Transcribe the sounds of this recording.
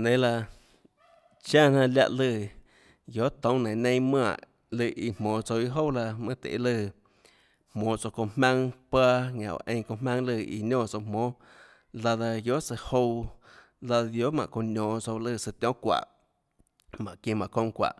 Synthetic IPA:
nẽ˨la˧ | t͡ʃã˦˨nã˧lʲja̰˧ʔlɨ˧˨ | jo˨˦t̪õ˧˦nẽ˨nẽ˦mã˦˧˨ʔ | lɨ˧˨ʔi˧mõː˨t͡so˧wi˦ɦo˦wla˧mɨ̃˦t̪ḛ˨˦lɨ˧˨ | hmõː˨˦t͡so˧kõ˧hmã˦ŋpaː˦ŋã̰˨ʔo̰˨ʔẽ˧˦˧kõ˧mã˦ŋlɨ˧˨ḭ˧ɲɔ̃ː˦˧˨t͡so˧wmõː˨˦ | la˧ða˧jo˦ʔt͡sɨ˧ho˦˧w | la˧ða˧d̪jo˦mã˨ʔkõ˧ɲɔ̃ː˨t͡so˧wlɨ˦˧˨sɨ˧t̪ʲjɔ̃˦kʷa̰˨ʔ | mã̰˨ʔkĩ˧mã˨kõ˧ŋkʷa̰˨ʔ

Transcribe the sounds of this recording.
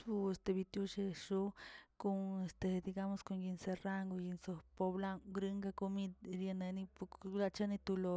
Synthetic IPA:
u˧e˧st̪e˧˨βi˧t̪ju˦˧ʃe˧ʃu˦ku˧ŋe˧st̪e˨d̪i˧ɡa˧mo˧sko˧ŋɡi˧nse˧ra˦˧ŋɡo˧ji˧nso˧po˧βla˦˧ŋɡɾɨ˧ŋɡa˧ko˧mĩ˧d̪ɾe˧nẽ˧nĩ˧pu˧la˧t͡ʃa˦nĩ˧t̪u˧lo˧

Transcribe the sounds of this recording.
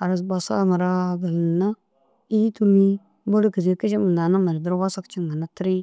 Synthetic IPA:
a˨ɾa˨s̬ba˨sa̰˦ma˨ɾa˦ɡə˨lna˦ | i˦tu˦mi˦ | bo˦lkə˨zi˨kə˦ʃi˦mə˨nda˨na˦ma˨ɾdə˦ɾwa˦sa˦kt͡ʃi˦ŋɡa˨na˦tɾi˦

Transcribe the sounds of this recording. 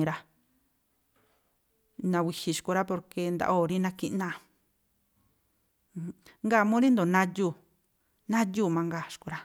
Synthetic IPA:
ɾa˧ | nã˧wi˧hi˧ʃku˧ɾa˦po˧ɾke˧nd̪a̰˧ʔo˧˨ɾi˦nã˧ki˧ʔnã˧˨˧ | ŋɡa˦˨mũ˦ɾi˦nd̪o˨nã˧juː˦˧˨ | nã˦juː˦˨mã˧ŋɡa˦˨ʃku˧ɾa˦

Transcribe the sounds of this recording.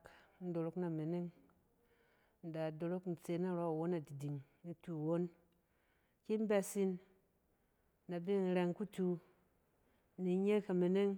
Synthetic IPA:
kn̩˦do˨ɾo˦kna˨me˨ne˦ŋ | n̩˨da˨do˨ɾo˦kn̩˨t͡se˨na˦ɾo˦˨wo˦na˨di˨di˨ŋ | ni˦tu˨wo˦n | ki˦m˦ba˦si˦n | na˨bi˦˨n̩˨ɾe˨ŋku˦tu˧˦ | ni˨ɲe˦ka˨me˨ne˦ŋ

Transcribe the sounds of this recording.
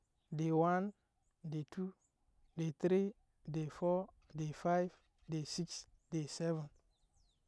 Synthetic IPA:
de˨wã˦n | de˨tʰu˦ | de˨t̪ɾi˦ | de˨fɔ | de˨fajv | de˨si˦ks | de˨sɛvɛ̃˨n

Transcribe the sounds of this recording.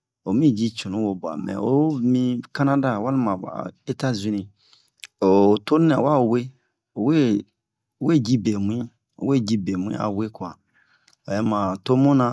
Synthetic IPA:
o˨˦mĩ˦˨d͡ʒi˦t͡ʃũ˨nũ˨˦wo˨ba̰˨mɛ̰˨o̰˦mĩ˦ka˦nã˦da˦˨wa˦lmã̰˨e˦ta˦zi˦nĩ˨ | o˨to˦nɛ̃˨wa˦˨o˨we˦ | o˨we˦ | o˨we˦˨d͡ʒi˦be˨mũ˨˦ĩ˦ | o̰˨we˦˨d͡ʒi˦be˨mũ˨˦ḭ̃˦a̰˨we˦kwa˨ | o˨jɛ˦mã˨to˦mũ˦nã˦

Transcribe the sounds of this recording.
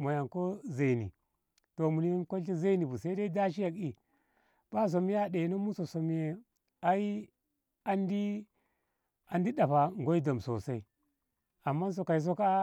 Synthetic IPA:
mo˨ja˨ŋko˦za˨i˨nḭ˨ | to˨mu˨ni˦jnko˦i˦za˦i˦ni˨bu˨sa˦i˦da˦i˦da˦ʃ̬i˦ja˨ki˦ | b̥a˦s̬o˨mi˦ja˦ɗe˨na˦mu˦so˨so˨m˦je˨ | a˦i˦ | a˦ndi˦ | a˨ndi˦ɗa˨pa˨ŋɡo˦i˦da˨m˨so̰˨sa˦i˦˨ | a˨mːa˦n˦s̬o˨ka˨i˨s̬o˦ka˦

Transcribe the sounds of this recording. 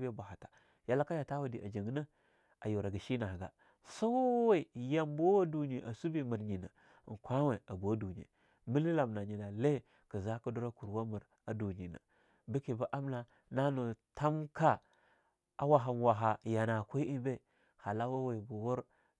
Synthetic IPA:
be˦ba˨ha˨tḁ˨ | ja˦la˦ka˦ja˨ta˦wa˨di˨ʔa̰˨d͡ʒa˨ŋɡna˦ | a˨ju˨ɾa˨ɡi˨ʃi˦na˨ɡa˨ | sa˦wwe˦˨ja˦mbo˦wa˦du˨ni˨ʔa̰˨su˦bi˦mə˨ɾɲi˨na̰˨ | ŋ˨kʷa˦we˨a˨bu˨˦du˨ɲ˨ḛ˨ | mi˦li˦la˨mna˨ɲi˨na˨le˦ | kə˨za˦ku˦du˦ɾa˦ku˨ɾwa˦mə˨ɾ | a˨du˨ɲi˨na̰˨ | bi˦ki˨ba˦ʔa˦m˦na˨ | na˦no˨tʰa˦mka˦ | a̰˨wa˨ɦa˨nwa˨ɦa˨ja˨na˨kʷa˦i˦ʔi˦be˦ | ha˨la˦wa˦we˨bu˨wu˦ɾ

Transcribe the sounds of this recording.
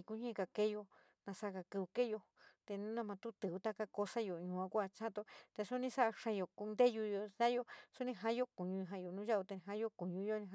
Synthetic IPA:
i˧ku˧˦ɲẽ˦˧ka˧˨ke˦jo˧ | nã˧sa˦˧ka˧kɨ˧βu˧ke˦jo˧ | t̪e˧nũ˦nã˧mã˧t̪u˦t̪ɨ˨u˧t̪a˦ka˧ko˧sa˦jo˨ɲũ˨˧˨ã˧kʷa˧t͡ʃã˦t̪o˧t̪e˧su˦nĩ˧sa˦a˧ʂã˧jo˨ku˧nd̪e˦ju˧jo˧sa˦jo˧su˦nĩ˧ɦã˦jo˦ku˨ɲũ˧ɦã˧jo˨nũ˦ʒa˦u˧t̪e˧ñ˧ɦã˦jo˦ku˨ɲũ˧˦jo˦nĩ˧ɦã˧

